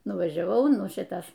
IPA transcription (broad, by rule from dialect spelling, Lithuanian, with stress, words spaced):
nʊʋɐʒʲɛˈʋɐʊ ˈnʊ ˈʃʲɪtɐs